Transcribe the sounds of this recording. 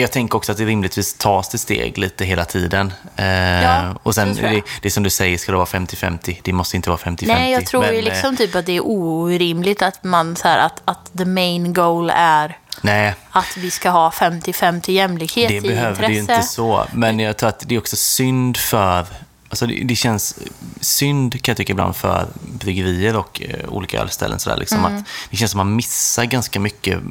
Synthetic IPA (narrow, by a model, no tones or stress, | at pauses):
jɑːɡt̪ʰɛŋkəɾɔksɔat̪̚d̪ɛɾɪmlɪt̪ʰviːst̪ʰɑːst̪ʰɪlst̪ḛːɡliːt̪əɦeːlat̪ʰiːd̪ən | ɔsɛnd̪ɛd̪̥ɛsɔmd̪ɵsɛjːəʂkad̪ɛvɑːɾafɛmt̪ɪfɛ̰mt̪ɪd̪̥ɛmɔst̪jɪnt̪əɑ̰ːɾfɛmt̪ɪnɛjɑːɡɪt̪ʰɾuːjlɪksɔmt̪ʰyːpat̪̚d̪ɛːɾʔuːɾɪmlɪɡt̪at̪mansæːɾa̰t̪at̪d̪əmeɪnɡoʊlæɾnɛːat̪vɪskaɦɑːfɛmt̪ɪfɛmt̪ʰɪjɛmːlɪkheːd̪ɛbɛhøːvɾɛɛjɪnəəsɔmɛnnjɑːɡt̪ʰɾuːɾat̪̚d̪ɛɾɔksɔsʏnd̪fœɾ | alsɔdɛ̰d̪ɛɕɛnsː | ʏnd̪kʰanjɑt̪ʏkːaɪbla̰nd̪̥fœ̰ɾbɾʏɡəɾiːəɾɔkṵːliːka̰ɛ̰ːlst̪ʰɛ̰lːə̰nsɔd̪æ̰ːlʔɪ̰ksɔma̰t̪d̪ɪɕɛnsɔmanmɪsːaɾɡanskamʏkːə̰